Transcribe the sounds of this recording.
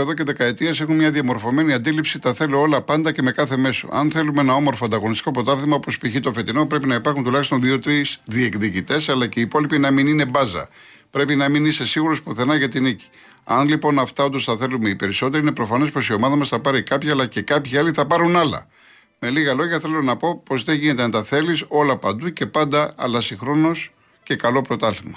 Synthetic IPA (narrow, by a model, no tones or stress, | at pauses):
eðoce̞ðe̞kɐe̞t̪iɐse̞xunmɲɐðiɐmo̞ɾfo̞me̞niɐnd̪ilipsit̪ɐθe̞loolɐpɐnd̪ɐce̞me̞kɐθe̞me̞so̞̰ɐ̰nθe̞lumeenɐo̞mo̞ɾfoɐnd̪ɐɣo̞nist̪i̥ko̞pɾo̞t̪ɐθeðmɐopospiçit̪ofe̞t̪ino̞pɾe̞pinɐipɐɾxunt̪ulɐçist̪o̞nðio̞t̪ɾizðiekðicit̪e̞sɐlɐceiːpo̞lipinɐminine̞bɐzɐ̰ | pɾe̞pinɐminise̞siɣuɾospoθe̞nɐʝɐt̪inici̥ | ɐnlipo̞nɐft̪ɐod̪osθɐθe̞lume̞ipe̞ɾiso̞t̪e̞ɾiine̞pɾo̞fɐne̞spo̞sio̞mɐðɐmɐsθɐpɐɾikɐpçɐːlɐce̞kɐpçiɐliθɐpɐɾunɐlɐ̰ | me̞liɣɐlo̞ʝɐθe̞lo̞nɐpo̞po̞zðeʝine̞t̪e̞ɐnt̪ɐθe̞liso̞lɐpɐnd̪uce̞pɐnd̪ɐɐ̰lɐsixɾo̞no̞s | ce̞kɐlo̞pɾo̞t̪ɐθimɐ